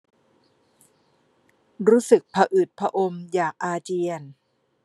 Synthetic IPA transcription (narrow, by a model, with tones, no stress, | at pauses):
ɾuː˦˥sɯ˨˩k̚pʰa˧ʔɯː˨˩t̪̚pʰa˧ʔo˧mjaː˨˩k̚ʔaː˧t͡ɕi˧ən